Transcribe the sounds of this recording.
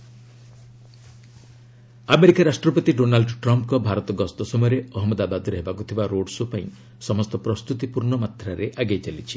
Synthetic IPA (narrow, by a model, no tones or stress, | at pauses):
ameɾikaɾasʈɾɔpɔt̪iɖonalɖʈɾɔmp̚kɔbʱaɾɔt̪ɔɡɔst̪ɔsɔmɔjɔɾeɔɦɔmɔd̪abad̪ɔɾeɦebakut̪ʰibaɾoɽsopaĩ | sɔmɔst̪ɔpɾɔst̪ut̪ipuɾɳɔmat̪ʰɾaɾeʔaɡejt͡ʃalit͡ʃʰi̥